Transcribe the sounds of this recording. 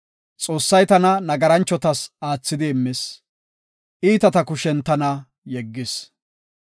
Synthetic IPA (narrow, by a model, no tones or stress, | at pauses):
t͡sʼoːsːɐjt̪ɐnɐnɐɡɐɾɐnt͡ʃːɔt̪ɐsaːt͡sːɪd̪ɪːmːɪs | ʔiːt̪ɐt̪ɐkʊʃɛnt̪ɐnɐ | jɛɡːɪs